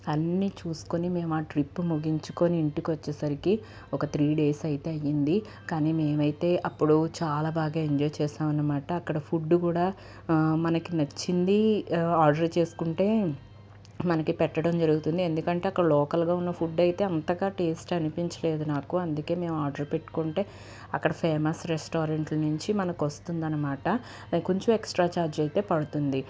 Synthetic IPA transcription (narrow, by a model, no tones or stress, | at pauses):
ɐnːiːt͡ʃuːsu̥konime̞ːmaːʈɾipːumuɡiɲt͡ʃuko̞niːɳʈikiʋɐt͡ʃːɛːsɐɾiki | ɔkɐt̪ʰɾiːɖe̞ːsɐjit̪e̞ːɐjind̪i | kaːniːme̞ːmɐjit̪e̞ːʔɐpːuɽut͡ʃaːlaːbaːɡaːeɲd͡ʒɔːjt͡ʃɛːsaːʋɐnːɐmaːʈɐːkːɐɽɐpʰuɖːukuːɽaː | mɐnɐkinɐt͡ʃːind̪iaːɾɖɐɾt͡ʃe̞ːsu̥kuɳʈe̞ː | mɐnɐkipɛʈːɐɽɐmd͡ʒɐɾuɡut̪und̪ie̞nd̪ukɐɳʈeɐkːɐɽɐlɔːkɐlɡaːunːɐpʰuɖːɐjt̪e̞ːɐnt̪ɐɡaːʈeːsʈɐnupiɲt͡ʃɐle̞ːd̪unaːkuɐnd̪uke̞ːme̞ːmaːɾɖɐɾpeʈːu̥koɳʈe̞ː | ɐkːɐɽɐpʰeːmɐsɾesʈoːɾɐɳʈlnuɲt͡ʃimɐnɐkiʋɐst̪und̪ɐnːɐmaːʈɐ | ko̞ɲt͡ʃumeksʈɾaːt͡ʃaːɾd͡ʒɐjt̪e̞ːpɐɽut̪und̪i